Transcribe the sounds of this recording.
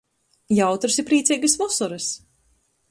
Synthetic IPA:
jawt̪ɾɨsipɾiːt̪siːɡɨsvɔsɔɾɨs

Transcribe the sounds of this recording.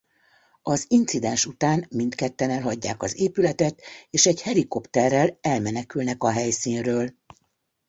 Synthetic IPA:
ɒzint̪sid̪ɛnʃut̪aːnmint̪kɛt̪ːɛnɛlɦɒɟːa̰ːkɒzeːpylɛt̪ɛt̪eːʃɛɟhɛɾiko̞pt̪ɛrːɛlɛlmɛnɛkylnɛkɒɦɛjsiːnrøːl

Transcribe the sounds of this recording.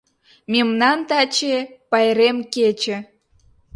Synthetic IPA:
mʲemnɑnt̪ɑt͡ɕepɑjɾemket͡ɕĕ

